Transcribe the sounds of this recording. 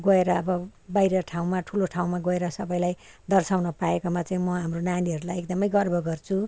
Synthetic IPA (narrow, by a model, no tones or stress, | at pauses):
ɡʌeɾʌːbʌbajɾʌʈʰaw̃maʈʰuloʈʰaw̃maɡoeɾʌsʌbʌjlaj | d̪ʌrsawnʌpaekomat͡saĩmʌɦamronaniɦʌɾulajekd̪ʌmʌjɡʌrbʱʌɡʌrt͡sʰu